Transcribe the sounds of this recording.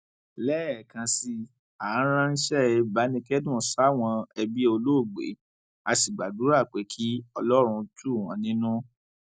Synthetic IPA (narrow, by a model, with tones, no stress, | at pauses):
lɛː˦ɛ˨kã˧si˧ | a˨˦ɾ̃ã˦n̩˦ʃɛ˦˧ba˨˦nĩ˧kɛ˦dũ˦˨sa˦˨w̃ɔ̃˧ɛ˧bi˦o˧lo˦˨ɡ͡bḛ˨˦ | a˧si˨ɡ͡ba˨du˨˦ɾa˦˨k͡pe˨˦kʰi˦ɔ˧lɔ˦ɾ̃ũ˧tu˦˨wɔ̃˨˦nĩ˦nũ˦